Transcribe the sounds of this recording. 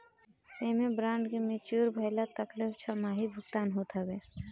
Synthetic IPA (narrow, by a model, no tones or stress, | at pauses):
emẽbɾãːɳɖkemɪt͡ʃuːɾbʱəɪlat̪əkleft͡ʃʰamaːɦibʱʊɡt̪aːnɦoːt̪ɦəbeː